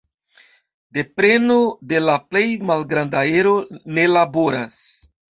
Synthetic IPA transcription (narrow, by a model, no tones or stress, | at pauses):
de̞pɾe̞no̞de̞laple̞jmalɡɾandae̞ɾo̞ne̞labo̞ɾas